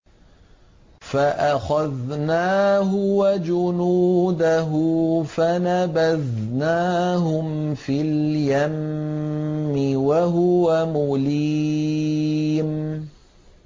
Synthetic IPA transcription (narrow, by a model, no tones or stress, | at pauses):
faʔaxaðnaːɦʊwad͡ʒʊnuːd̪aɦʊfanabað | naːɦʊm | filjamː | ɪwaɦʊwamʊliː | m